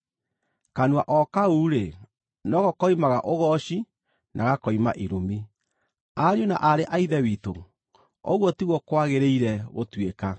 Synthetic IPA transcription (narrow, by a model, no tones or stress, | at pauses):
kanwaʔɔkauːɾe | nɔɣɔkɔimaɣaʔoɣɔʃi | nʔa̰ɣakɔima̰ʔiɾomi | aɾeona̰ʔaɾeʔaiðɛwiːto | ɔ̰ɣwɔtiɣwɔkwaɣeɾeiɾɛɣotweka